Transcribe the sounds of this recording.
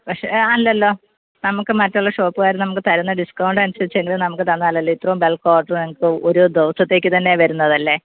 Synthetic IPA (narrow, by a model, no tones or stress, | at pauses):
pɐkʂḛɐlːɐlːo̞ː | nɐmukːɨmɐtːuɭːɐʂo̞ːpːɨɣaːjɾnɐmukːɨt̪ɐɾɐnːɐɖiskɐwɳɖɨɐnusɐɾit͡ɕːe̞ŋɡilnɐmukːɨt̪ɐnːaːlɐlːoit̪ːrɐumbe̞lkoːɖrnɐmukːɨoɾud̪eʋɐsɐt̪ːe̞ːk̬ʲːɨt̪ɐnːe̞ʋɐɾunːɐðɐlːe̞